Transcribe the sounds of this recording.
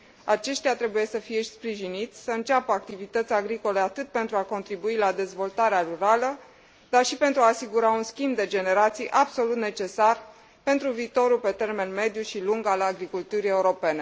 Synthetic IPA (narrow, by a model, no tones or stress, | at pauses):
at͡ʃe̞ʃt̪ʲat̪ɾe̞buje̞səfijeʃispɾiʒinit̪sʲsəɨnt͡ʃapəak̚t̪ivit̪ət̪sʲaɡɾiko̞le̞at̪ɨt̪̚pent̪ɾuako̞nt̪ɾibuilad̪e̞zvo̞lt̪aɾeaɾuɾalə | d̪arʃipe̞nt̪ɾuaːsiɡuɾaunskʲimbd̪e̞d͡ʒe̞ne̞ɾat̪sijʔabso̞lut̪ne̞t͡ʃe̞sar | pe̞nt̪ɾuviːt̪o̞ɾupe̞t̪e̞rme̞nme̞d̪juʃiluŋɡalaɡɾikult̪uɾie̞uɾo̞pe̞ne̞